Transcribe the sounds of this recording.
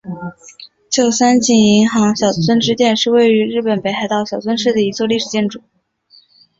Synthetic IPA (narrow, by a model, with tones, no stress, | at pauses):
t͡ɕjo˥˩ʊsa˥nt͡ɕi˥˩ŋi˧˥ŋxɑ˧˥ŋɕjɑ˨˩ʊt͡sʰwə˥nʈ͡ʂɻ̩˥t̪jɛ˥˧nʂɻ̩˥˧we˥˩ɪy˧˥ɻɻ̩˥˩pə˨˩npe˧˥ɪxa˧ɪt̪ɑ˥˩ʊɕjɑ˨˩ʊt͡swə˥nʂɻ̩˥˩d̪ə˩i˧˥t͡swɔ˥˧li˥˩ʂɻ̩˨˩t͡ɕjɛ˥˩nʈ͡ʂu˨˩˦